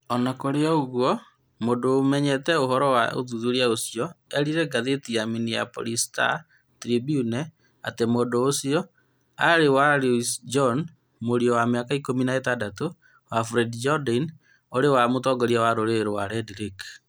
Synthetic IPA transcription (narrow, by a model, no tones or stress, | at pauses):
ɔnakoɾeɔoɣwɔ | modoːmɛɲɛtɛoɦɔɾɔwao̰ðuðuɾiaosiɔɛɾiɾɛɡaðetijaminija̰po̰lista̰ | tɾibjunɛ | a̰temodoːsiɔ | aɾewaɾusd͡ʒɔn | moɾiɔwameakaikominaetadato | wafɾɛdd͡ʒɔdan | oɾewamotɔɡɔɾiawaɾoɾeɾowaɾɛdiɾik